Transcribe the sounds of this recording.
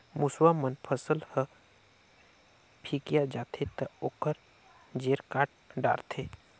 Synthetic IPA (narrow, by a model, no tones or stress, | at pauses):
muswamənpʰəsəlhə | pʰikijad͡ʒaːt̪ʰet̪əoːkəɾ | d͡ʒeːɾkaːʈ̚ɖa̰ːɾt̪ʰe